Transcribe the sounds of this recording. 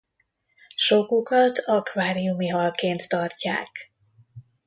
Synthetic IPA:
ʃokukɒt̪ɒkvaːɾiumiɦɒlkeːnt̪ːɒrca̰ːk

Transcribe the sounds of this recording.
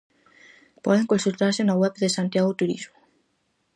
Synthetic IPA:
pɔ̰ðeŋkonsult̪aɾsenaɣwɛβðesant̪jaɣot̪uɾḭzmo

